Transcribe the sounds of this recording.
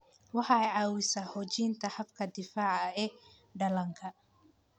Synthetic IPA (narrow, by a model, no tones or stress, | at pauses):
wɑħɑɛjʕɑːwɪsɐħɔːt͡ʃiːnt̪ʰɐħɐbkʰɐd̪ɪfaːʕɐɛː | ɖɐlɐŋkʰɐ